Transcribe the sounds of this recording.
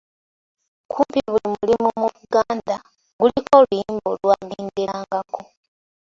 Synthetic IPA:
kʰuːmpiβulimulimumuβuɡaːnda | ɡuliko̞lujiːmbolwaːɡiːndiaːŋɡako̞

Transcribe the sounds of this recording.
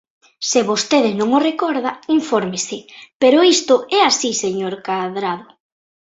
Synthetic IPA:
seβost̪eð̞ɪnõŋorekɔɾðaiɱfɔɾmɪsɪpeɾʊist̪ʊɛasiseɲoɾkaðɾaðʊ

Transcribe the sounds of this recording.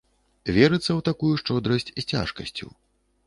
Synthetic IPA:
vʲɛɾɨt̪sːɐwt̪akujuʂt͡ʂɔd̪ɾɐsʲt͡sʲsʲt͡sʲa̰ʂkɐsʲt͡sʲṵ

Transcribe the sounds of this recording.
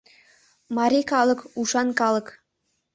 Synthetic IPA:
mɑɾʲikɑlˠɤ̆kuʃɑnkɑlˠɤ̆k

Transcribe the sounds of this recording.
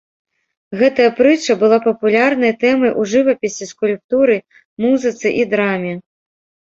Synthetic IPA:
ɣɛt̪ɐjɐpɾɨt͡ʂɐbɨlˠapɐpulʲarnɐjt̪ɛmɐjʔuʐɨvɐpʲisʲiskulʲp̚t̪uɾɨ | muzɨt̪sɨʔid̪ɾamʲɛ

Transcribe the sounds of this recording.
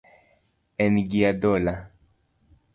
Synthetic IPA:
enɡiad̪ola

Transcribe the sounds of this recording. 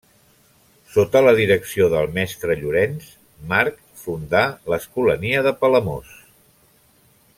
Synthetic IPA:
sot̪ələðiɾəksioðəlˠmɛst̪ɾəʎuɾɛns | maɾk | fund̪aləskuləniəðəpələmos

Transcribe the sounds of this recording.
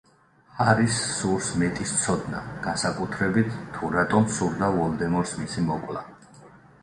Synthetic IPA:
haɾisːuɾsmɛt̪ʼist̪sʰɔd̪na̰ɡ̥ansakʼut̪ʰɾɛbit̪ʰːuɾat̪ʼɔmsuɾd̪avɔlˠd̪ɛmɔɾsmisimɔkʼlˠa̰

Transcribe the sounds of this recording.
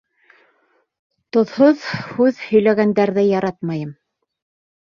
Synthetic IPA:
t̪ŏðhoðhʉðhɵ̆jlæɣænd̪æɾðɘjɑɾɑt̪mɑjɤm

